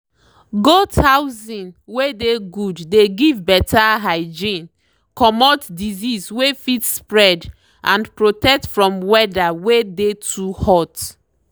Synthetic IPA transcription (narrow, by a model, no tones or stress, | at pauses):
ɡothawzĩnwedeɡudːeɡivbɛtʰaɦaɪd͡ʒĩn | kɔmɔtdizizwefitspɹɛd | ʔãnpɹotɛk̚tfɹɔ̃mwɛdawedetʰuhɔt